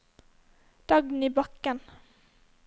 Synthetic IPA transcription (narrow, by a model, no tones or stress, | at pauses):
d̪̥ɑɡn̩iːbɑkən